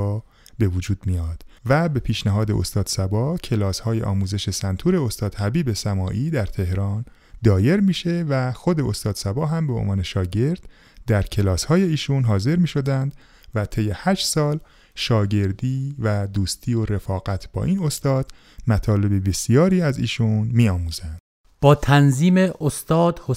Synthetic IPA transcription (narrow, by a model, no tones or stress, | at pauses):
be̞vod͡ʒuːd̪̥mijɒːd̪̥væbe̞pʰiːʃnæɦɒːd̪eʔost̪ɒːd̪̥sæbɒːcʰe̞lɒːshɒːjḛʔɒ̰ːmuːze̞ʃe̞sænt̪ʰuːɾe̞ost̪ɒːd̪̥hæbiːbe̞sæmɒːʔiːd̪æɾt̪ʰe̞hɾɒːn | d̪ɒːje̞ɾmiːʃe̞væxo̞d̪e̞ost̪ɒːd̪̥sæbɒːɦæmbe̞o̰nvɒːne̞ʃɒːɟe̞ɾd̪̥ | d̪æɾcʰe̞lɒːshɒːje̞iːʃuːnɦɒːze̞ɾmiːʃo̞d̪ænd̪̥ | væt̪ʰe̞jːe̞hæʃsɒːl | ʃɒːɟe̞ɾd̪iːvæd̪uːst̪ʰiːoɾe̞fɒːɣæt̪ʰb̥ɒ̰ːʔiːno̞st̪ɒːd̪̥ | mæt̪ʰɒːle̞bebe̞sijɒːɾiːæzḭːʃunmiːɒːmuːzænd̪̥ | b̥ɒːt̪ʰænziːmeʔost̪ɒːd̪ho